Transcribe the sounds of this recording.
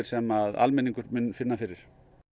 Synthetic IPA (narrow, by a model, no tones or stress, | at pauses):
ɾ̥sɛmaða̰lmɛniŋkʏɾmʏnːfɪnːafɪɾɪɾ̥